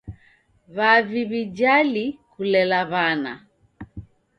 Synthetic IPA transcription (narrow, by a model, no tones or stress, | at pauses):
βaviβid͡ʒalikulɛlaβana̰